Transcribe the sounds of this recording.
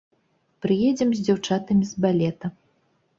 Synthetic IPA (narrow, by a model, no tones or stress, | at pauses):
pɾɨjɛd͡zʲɛmzʲd͡zʲawt͡ʂat̪ɐmʲizbalʲɛt̪ɐ